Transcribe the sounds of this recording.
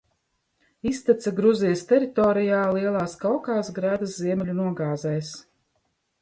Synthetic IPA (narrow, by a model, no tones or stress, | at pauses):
ist̪ɛt̪saɡɾuzijəst̪ɛɾit̪ɔːɾijaːliɛlˠaːskawkaːsɡɾæːd̪ɐsziɛmʲɛlʲunuɔɡaːzɛjs